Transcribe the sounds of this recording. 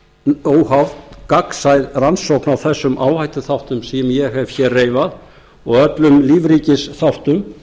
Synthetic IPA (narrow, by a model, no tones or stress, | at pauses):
oːwhavt̪kaksajðransowknawθɛsːʏmʔaːwhajt̪ʏθawht̪ʏmsiɛmjɛɦɛv̥çɛreːjvað | ɔɣœt̪lʏmliːvriːcɪsθawht̪ʏm